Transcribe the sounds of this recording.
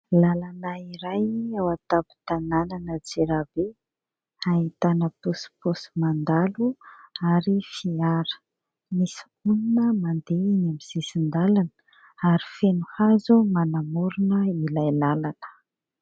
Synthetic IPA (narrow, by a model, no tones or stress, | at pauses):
lalanaiɾajawat̪api̥t̪anananəd͡zeɾabe | ait̪anəposi̥posi̥mand̪aluaɾifiaɾə̥ | misi̥ | uninəmand̪einamiz̥isind̪alanə̥ | aɾifenuhazumanamuɾunəilajlalanə̥